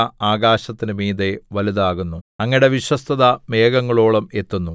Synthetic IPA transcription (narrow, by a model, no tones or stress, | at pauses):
ɐaːɡaːɕɐt̪ːinɨmiːðeʋɐliðaːɣunːuɐŋːiɽe̞ʋiɕwɐst̪ʰɐðɐme̞ːɡɐŋːɐɭo̞ːɭɐme̞t̪ːunːu